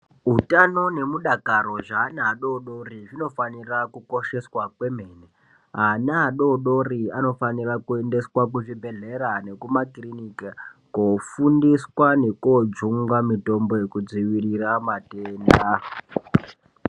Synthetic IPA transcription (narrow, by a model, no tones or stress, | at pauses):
ɦutano̞ne̞muɗakaɾo̞ʐaːnaaɗo̞ɗo̞riʐino̞fanirakuko̞ʃe̞swakwe̞meːne | ɦanaɦaɗo̞ɗo̞riano̞fanirakue̞nde̞swakuʐibʱe̞ɮe̞ɾane̞kumakrinikakofundiswane̞kod͡zuŋɡamito̞mbo̞jekud͡ziʋiriramateːnda